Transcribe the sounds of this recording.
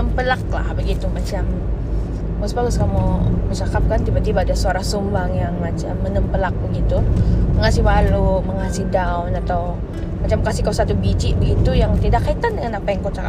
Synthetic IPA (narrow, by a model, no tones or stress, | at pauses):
əmpəlak̚la̰hbəɡit̪umat͡ʃam | mosbaɡʊskamumət͡ʃakap̚kant̪ibat̪ibaːdasuaɾahsumbaŋjaŋmat͡ʃamːənəmpəlak̚bəɡit̪uməŋasihbaluməŋasihdawnat̪aw | mat͡ʃamkasihkasat̪ubit͡ʃiʔbəɡit̪ujaŋt̪idakːait̪andəŋanapajaŋkowt͡ʃaka